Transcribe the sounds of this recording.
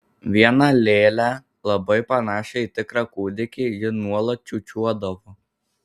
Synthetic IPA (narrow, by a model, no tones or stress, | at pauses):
ʋʲiɛnɐlʲeːlʲæ | lˠɐbɐɪpɐnɑːʃʲɛit̪ʲɪkɾɑkuːd̪ʲɪkʲejɪnuɔlˠɐt̪̚t͡ʃʲuːt͡ʃʲuɔd̪ɐʋo